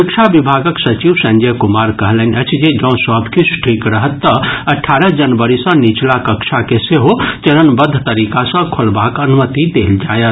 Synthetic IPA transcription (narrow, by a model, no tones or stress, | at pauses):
ɪkʃʰabɪbʱaːɡəksɐt͡ʃiːʋsə̃ɲd͡ʒɛjkʊmaːɾkɐɦlənʲɐt͡ʃʰd͡ʒed͡ʒɐ̃ːsɔbkisʈʰiːkɾɐɦət̪ːəɐʈʰːaːɾəd͡ʒɐnʋəɾisɐ̃nit͡ʃlakɐkʃʰakeseɦot͡ʃɐɾənbəd̪ʱːt̪ɐɾiːkasə̃kʰʊlbaːkɐnʊmət̪it̪ḛːld͡ʒaːjət̪